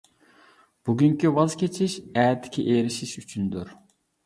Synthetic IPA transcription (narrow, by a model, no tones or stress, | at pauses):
b̥uɡʲyŋkʲiwɑzkʲʰet͡ʃʰiʃɛːt̪ʰːɪ̥kʲʰiʔeːɾiʃiʃyt͡ʃʰynd̪yɾ